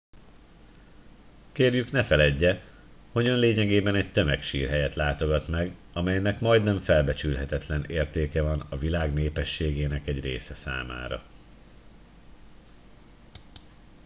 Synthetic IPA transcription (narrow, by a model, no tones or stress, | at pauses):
keːrjyknɛfɛlɛɟːɛ | ho̞ɟønleːɲɛɡeːbɛnɛc̚t̪ø̞mɛkʃḭːrɦɛjɛt̪laːt̪o̞ɡɒt̪mɛɡ | ɒmɛjnɛkmɒjd̪nɛɱfɛlbɛt͡ʃylɦɛt̪ɛt̪lɛneːrt̪eːkɛvɒnɒvilaːɡneːpɛʃːeːɡeːnɛkɛɟreːsɛsa̰ːma̰ːɾɒ̰